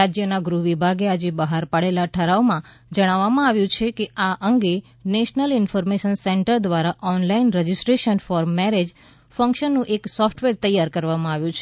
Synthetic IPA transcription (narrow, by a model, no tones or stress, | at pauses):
ad͡ʒjənaɡɾuʋibʱaɡead͡ʒebəɦaɾpaɽelaʈʰəɾaomã | d͡ʒəɽ̃aʋːamãaʋjũt͡ʃʰekeaʔəŋɡe | neʃnəlɪnfɔɾmeʃənseɳʈəɾd̪ʋaɾaʔɔnlainɾəd͡ʒisʈɾeʃənfɔɾmːɛɾed͡ʒ | fə̃ŋkʃənːũʔeksɔfʈʋeɾt̪əjːaɾkəɾʋamãaʋjũt͡ʃʰe